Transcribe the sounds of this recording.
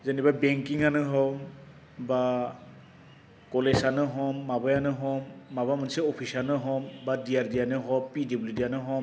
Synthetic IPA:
zenibabɛŋkiŋanɯɦɔm | ba | kɔlesanɯɦɔmːabajanɯɦɔmːabamanseɔpʰisanɯɦɔmbadiaɾdijanɯɦɔpidibludianɯɦɔm

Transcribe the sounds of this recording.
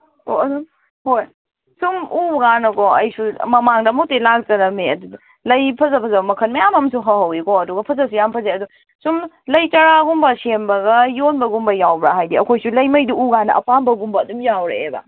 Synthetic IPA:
oɐdum | hoj | sumuɡanɐkɔɐ̰jsumɐmaŋdɐmutelak̚t͡ʃɐɾɐmeɐdu | lɐjpʰɐzɐpʰɐzɐbɐmɐkʰɐnmɐjamɐmsuɦɐɦɐwikɔɐduɡɐpʰɐzɐs̬ujampʰɐzeɐdu | sum | lɐjtɐɾaɡumbɐsembɐɡɐjonbɐɡumbɐjawbɾaɦajdiɐkʰojsulɐjmɐjdiuɡanɐʔɐ̰pambɐɡumbɐːdumjawɾeḛbɐ̰

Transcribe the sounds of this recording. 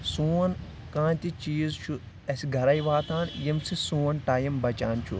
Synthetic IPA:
suːn | kãːnt̪it͡ʃiːzt͡ʃʰu | ɐsiɡʱɐɾɐjʋaːt̪ʰaːnjimsisuːnʈaːjimbɐt͡ʃaːnt͡ʃʰṵ

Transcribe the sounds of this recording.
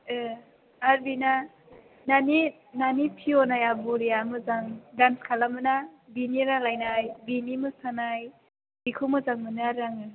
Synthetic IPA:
ɯ | aɾbina | nani | nanipʰiɔnajabuɾijamɯzaŋdanskʰalamɯnabiniɾaŋlajnajbinimɯstʰanaj | b̥ikʰɯmɯzaŋmɯnaaɾaŋɯ

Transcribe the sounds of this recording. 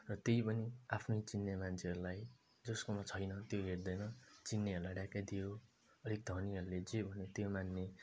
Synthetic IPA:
rʌt̪ejpʌniapʰnʌjt͡sinːemant͡sʰeʌɾulaj | d͡zʌskomat͡sʰʌjnʌt̪joɦerd̪ʌjnʌt͡sinːeɦʌɾulajɖakad̪ijo | ʌɾek̚d̪ʱʌniɦʌɾuled͡zebʱʌnet̪jomanːe

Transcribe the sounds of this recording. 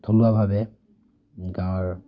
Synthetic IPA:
t̪ʰolʊwabʱabɛ | ɡãɔɹ

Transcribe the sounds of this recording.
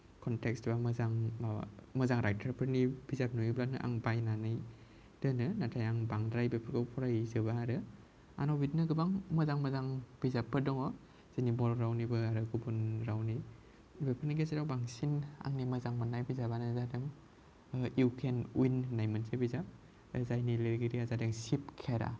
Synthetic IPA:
kʰɔntekstbamɐzaŋamɐzaŋɾajtʰaɾpʰɯɾnib̥izap̚nuiblaknɯʔa̰ŋbajnanɯj | d̥ɯnɯnatʰajaŋbaŋdɾajbepʰɯɾɡɯpʰɔɾajzɯbaːɾɯ | a̰nɔbit̚nɯɡɯbaŋmɐzaŋmɐzaŋb̥izapʰːɯdɔŋɔ | z̥enibɔɾɾawnibɯaɾɯɡubunɾawni | bepʰɯɾniɡesiɾawbaŋsina̰ŋnimɐzaŋmanːajbizabanɯzadeŋ | iwkʰenujnːajmɯnsebizap̚ | zajnileɾɡiɾiazadeŋsip̚kʰeɾa̰

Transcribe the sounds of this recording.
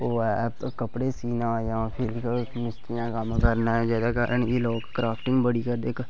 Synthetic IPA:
oːɛkəpɽeːsiːnãːjãːpʰɪlkmɪst̪ɪjãːkəmkəɾnaːd͡ʒɛːd̪aːkaːɾəɳeːloːkkɾaːpʰʈɪ̃ŋɡbəɽiːkəɾd̪eːk

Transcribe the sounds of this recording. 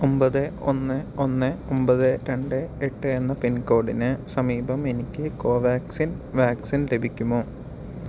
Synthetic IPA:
ombɐðɨo̰nːɨonːɨombɐðɨɾe̞ɳɖɨeʈːɨe̞nːɐpinko̞ːɽinɨsɐmiːbɐme̞nikʲːɨko̞ːʋjaːksin | ʋaːksinle̞bʱikʲːumoː

